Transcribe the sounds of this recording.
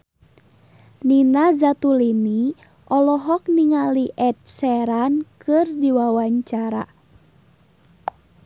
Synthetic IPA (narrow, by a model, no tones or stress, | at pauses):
ninazat̪ulini | ʔɔlɔɦɔk̚niŋaliʔɛt̚sɛɾankɨrdiwawaɲt͡ʃaɾa̰